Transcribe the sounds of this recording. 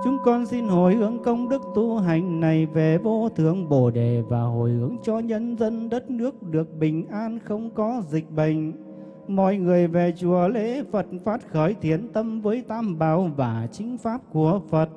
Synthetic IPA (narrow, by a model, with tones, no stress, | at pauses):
t͡ɕʊ˨˦ŋ͡mkɔ˧nsi˧nho˨˩jhɨ˨˦əŋkə˧wŋ͡mɗɨ˦˥k̚t̪u˧ɦa˨˩jŋ̟na˨˩jve˨˩ɓo˧t̪ʰɨ˧˩əŋɓo˧˩ɗe˨˩vaː˨˩ɦo˧˨˩jhɨ˨˦əŋt͡ɕɔ˧ɲə˧nzə˧nɗə˦˥t̚nɨ˦˥ək̚ɗɨ˨˩ək̚ɓï˨˩ŋ̟ʔaː˧nxə˧wŋ͡mkɔ˨˦zï˨˩k̟̚ɓə˨˩ŋ̟ | mɔ̰˧˨jŋɨ˨˩əjve˨˩t͡ɕu˨˩əle˧˥˦fə˨˩t̚faː˦˥t̚xəː˧˩jt̪ʰi˨˦ənt̪ə˧mvəː˨˦jt̪aː˧mɓaː˨˩wvaː˨˩t͡ɕï˨˦ŋ̟faː˦˥p̚ku˧˩əfə˨˩t̚